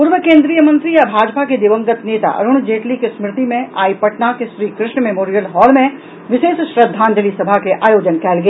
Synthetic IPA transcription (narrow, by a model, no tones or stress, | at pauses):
puːɾʋəkẽːnd̪ɾijəmɐ̃nt̪ɾijabʱaːd͡ʒpaked̪ɪʋə̃ŋɡət̪neːt̪a̰ʔɐ̰ɾʊɽ̃d͡ʒeːʈlikesmɾɪt̪imẽʔaːipɐʈnakeʃɾiːkɾɪʃɳəmemoːɾijəlɦɔːlmẽ | ʋɪʃeːʃʃɾəd̪ʱːaːnd͡ʒəlisɐbʱakeʔaːjoːd͡ʒənkɛːlɡeː